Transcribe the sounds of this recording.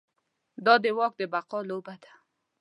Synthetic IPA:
d̪ɑd̪əwɑk̚d̪əbaqɑlobad̪ḁ

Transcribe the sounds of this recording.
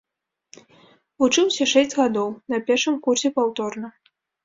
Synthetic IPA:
vut͡ʂɨwsʲɐʂɛsʲt͡sʲɣad̪ɔwnɐpʲɛrʂɨmkursʲɛpawt̪ɔrnɐ

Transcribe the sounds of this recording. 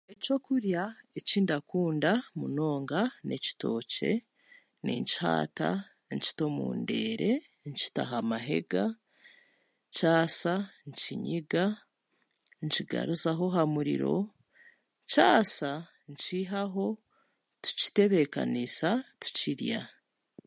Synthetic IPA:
eco̞kuɾjaeciːndakuːndamuno̞ːŋɡane̞ci̥to̞ːce̞̰ | nḭɲci̥ha̰ːta̰ | ɲci̥to̞mṵːnde̞ːɾe̞ | ɲci̥ta̰ɦamaɦe̞̰ɡa | caːsaɲciɲiɡa | ɲciɡa̰ɾuzaɦo̞ɦamuɾḭɾo̞̰ | caːsa | ɲciɦaɦo̞ | tu̥ci̥te̞βe̞ka̰nisatu̥ciɾja̰

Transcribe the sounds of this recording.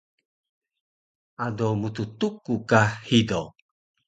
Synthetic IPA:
adomut̪ut̪ukukahido

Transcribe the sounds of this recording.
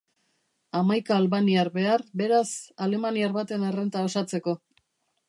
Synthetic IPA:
amajkaːlβaniaɾβe̞arbe̞ɾasale̞maniaɾβat̪e̞narent̪aosat͡se̞ko̞

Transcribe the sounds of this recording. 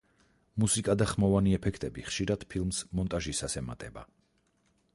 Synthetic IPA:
musikʼad̪aχmɔvaniɛpʰɛkʰt̪ʼɛbiχʃiɾad̪̥pʰilˠmsmɔnt̪ʼaʒisasɛma̰t̪ʼɛba̰

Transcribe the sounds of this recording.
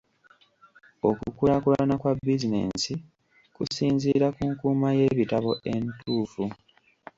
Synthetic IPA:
o̞kukulakulanakwabːizine̞̰nsi | kusiːnziɾakuŋkuːmaje̞ːβitaβo̞e̞ntʰuːfu

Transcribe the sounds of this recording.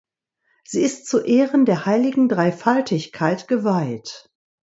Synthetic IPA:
z̥iːɪstt͡suʔeːʁəndeːɐhaɪlɪɡŋ̩dʁaɪfaltʰɪçkʰaɪtɡ̥əvaɪt

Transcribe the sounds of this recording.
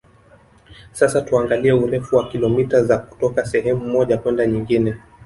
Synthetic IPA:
sasatuaŋɡaliɛuɾɛfuwakilɔmitazaku̥tɔkasɛɦɛmumɔʄakwɛndaɲiŋɡinɛ

